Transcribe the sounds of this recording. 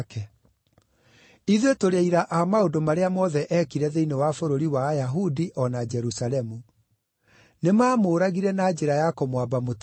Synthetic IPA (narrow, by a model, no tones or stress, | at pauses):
kɛ | iðwetoɾaiɾaʔamaodomaɾeamɔðɛʔɛkiɾɛðeinewafoɾoɾiwajaɦudiʔɔnad͡ʒɛɾusalɛmu | nemaːmoːɾaɣiɾɛnaːd͡ʒeɾajakomwabamot